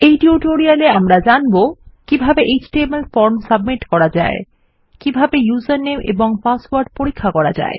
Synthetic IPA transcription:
ejʈiuʈoɾialeamɾad͡ʑanbokibʱabeʔed͡ʑʈemelfɔɾmsab̚miʈkɔɾad͡ʑae | kibʱabejuzaɾnemʔḛboŋpasʈwaɾɖpoɾikʰːakɔɾad͡ʑa̰e

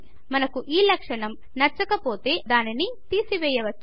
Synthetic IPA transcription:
mɐnɐkuʔiːlɐkʂɐɳɐm | nɐt͡ʃːɐkɐpo̞ːt̪e̞ːd̪aːninit̪iːsiʋɛːjɐʋɐt͡ʃː

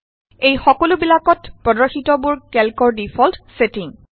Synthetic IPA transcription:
ejxɔkɔlʊbilakɔtpɹɔdɔɹxitɔbʊɹkɛlkɔɹdifʰɔltsetiŋ

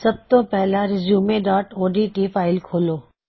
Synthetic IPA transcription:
sɐb̚t̪opɛɦlaɾɪzjuːmeɖaːʈoːɖiʈifaːɪlkʰoːloː

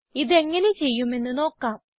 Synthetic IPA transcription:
iðe̞ŋːɐnet͡ɕe̞jːume̞nːuno̞ːkːaːm

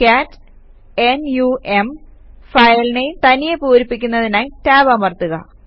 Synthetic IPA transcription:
kaːtː | enjuʔem | fɐjɐlnejt̪ɐnijepuːɾipːik̬ʲːunːɐðinaːjtaːʋamɐrt̪uɣɐ̰

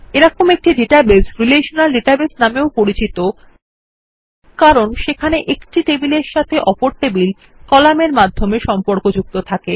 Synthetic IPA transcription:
eɾɔkʰomek̚ʈiɖiʈabesɾileʃonalɖeʈabesnameopoɾit͡ɕit̪o | kaɾonʃekʰaneʔekʈiʈebileɾʃat̪ʰeʔɔpoɾt̪ebil | kɔlameɾmad̪ʱːomeʃɔmpoɾkod͡ʑuk̚t̪ot̪ʰake

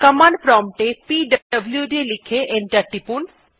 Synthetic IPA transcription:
kəmaɳɖpɾɔmʈepiɖəəbljuɖilikʰeʔenʈaɾʈːipun

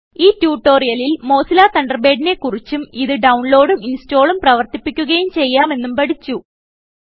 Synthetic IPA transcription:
iːtjuːʈːo̞ːrijɐlilmo̞ːsilaːt̪ɐɳɖɐrbe̞ːɖine̞kːurit͡ɕːumiðɨɖɐwɳlo̞ːɽuminsto̞ːɭumprɐʋɐrt̪ipːikʲːuɣɐjumt͡ɕe̞jːaːme̞nːumpɐɽit͡ɕːu

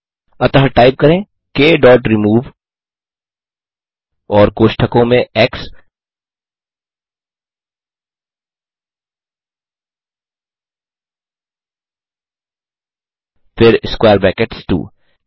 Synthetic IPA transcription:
ɐt̪ɐɦʈaːɪp̚kɐɾẽː | keːɖɔːʈɾɪmuːʋ | ɔːɾkoːʃʈʰəkõmẽɛks | fɪɾɪskwaːɾbɛːkeʈsʈṵː

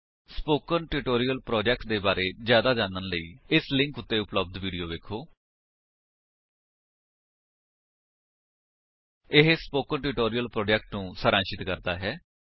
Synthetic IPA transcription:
spoːkənʈɪʈoːɾiːəlpɾɔːd͡ʒɛːk̚ʈ̚d̪eːbaːɾeːzjaːd̪aːd͡ʒaːnənləḭːɪslɪ̃ŋkʊt̪ːeːʊpləb̚d̪ʋiːɖijoːʋeːkʰoː | ɪɦspoːkənʈɪʈoːɾijəlpɾoːd͡ʒɛːk̚ʈnũːsəɾãːnʃɪt̪kəɾd̪a̰ːɦɛː

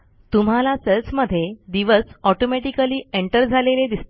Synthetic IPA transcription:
t̪um̤alaselsməd̪ʱːjed̪iʋəsɔʈomɛʈikəliːeɳʈəɾd͡zʱaleled̪ist̪

